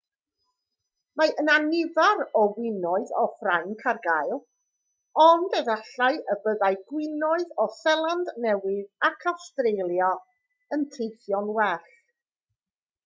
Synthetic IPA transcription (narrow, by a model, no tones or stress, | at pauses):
maʔənanɪvaɾɔwɪnɔɨðɔfrajŋkʰarɡajlˠ | ɔndəðaɬaɨəbəðaɨɡwɪnɔɨðɔsɛlˠandnɛwɪðakʰawstrejlˠjɔ | əntʰejθjɔnwɛɬ